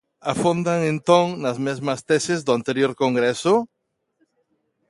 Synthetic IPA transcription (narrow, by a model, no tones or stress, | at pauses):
afond̪aŋẽnt̪õŋnazmezmast̪esezðʊant̪eɾjoɾkoŋɡɾeso